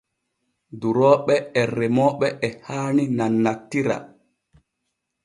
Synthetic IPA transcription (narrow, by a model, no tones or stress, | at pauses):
duɾɔːɓɛɛrɛmɔɓɛʔɛhaːninanːatːiɾa̰